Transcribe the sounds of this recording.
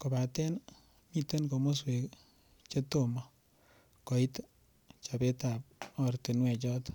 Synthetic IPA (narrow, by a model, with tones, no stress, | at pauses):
ko˨ba˨tɛ˦n | mi˦te˦nko˨mo˦s̬we˨k | t͡ʃe˦to˦ma˨ | kɔ˨i˦t | t͡ʃa˨be˦ta˨p̚ɔ˦rte˨nwɛ˨t͡ʃɔ˦t